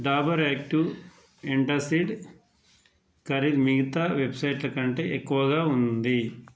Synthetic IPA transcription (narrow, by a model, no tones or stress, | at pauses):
ɖaːbɐɾeːkʈu | eɳʈɐsiɖ | kɐɾid̪miɡɐt̪aːʋebsɐjʈlɐkɐɳʈe̞ːʔekːuʋɐɡaːund̪i